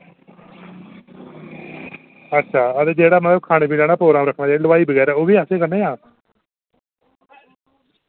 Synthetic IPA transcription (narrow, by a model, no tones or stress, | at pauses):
ətːʃʰaːət̪eːd͡ʒeːɽaːmət̪ləbkʰaːɽ̃eːpiːlɛːɽaːpɾoːɡɾaːmɾəkʰnaːd͡ʒaːɽiːləʋaːiːbəɡɛːɾɛːoːbiːaseːkəneːaː